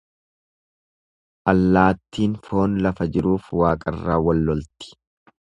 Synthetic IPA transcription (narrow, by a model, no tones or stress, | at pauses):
ʔɐlːaːt̪ːiːnfo̞ːnlɐfɐd͡ʒɪɾuːfwaːkʼɐrːaːwɐlːɔlt̪ɪ̥